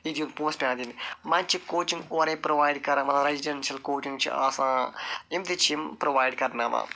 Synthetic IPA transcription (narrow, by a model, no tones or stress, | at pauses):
id̪iunpũːspʲãːd̪inmãnt͡ʃʰikoːt͡ʃĩŋɡoːɾepɾoʋaːjɖkɐɾamɐt̪ɾeziɖɐnʃɐlkoːt͡ʃĩŋɡt͡ʃʰḭa̰ːsãːimt̪it͡ʃʰimpɾoʋaːjɖkɐɾnaːʋã̰ː